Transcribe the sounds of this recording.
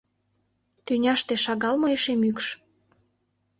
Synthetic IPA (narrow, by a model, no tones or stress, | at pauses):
t̪ynʲɑʃt̪eʃɑɣɑlmoeʃemykʃ